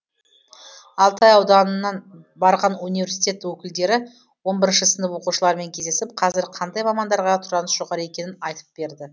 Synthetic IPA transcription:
ɑlˠt̪ɑjɑwd̪ɑnənːɑn | bɑɾʁɑnunivʲe̞ɾsijt̪ʲe̞t̪ːwɵkʲɪld̪e̞ɾɪ | wo̞nbɪɾɪnʃəsɪnd̪ɪpwo̞quʃəlˠɑɾme̞ŋkʲʰezd̪e̞sɪp̚qʰɑzɪɾqʰɑnd̪ɑjmɑmɑnd̪ɑɾʁɑt̪ʰʊɾɑnəsʒ̥oʁɑɾəe̞kʲe̞nɪnɑjt̪ə̥p̚b̥e̞ɾd̪ɪ

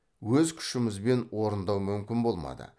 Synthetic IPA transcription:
wɵzkʲʰʏ̥ʃɪmɪzbe̞nwo̞ɾənd̪ɑwmʏmkʲɪnbo̞lˠmɑ̰d̪ə̰

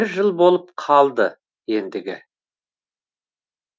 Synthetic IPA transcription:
ɾʒəlˠbo̞lˠəp̚qʰɑlˠd̪ə | je̞nd̪ɪɡʲɪ

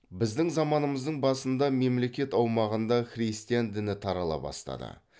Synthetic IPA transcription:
bɪzd̪ɪŋzɑmɑnəməzd̪əɴbɑsənd̪ɑme̞mle̞kʲe̞t̪ɑwmɑʁənd̪ɑχrijst̪ijand̪ɪnɪt̪ʰɑɾɑlˠɑ̰bɑ̰st̪ɑ̰d̪ə̰

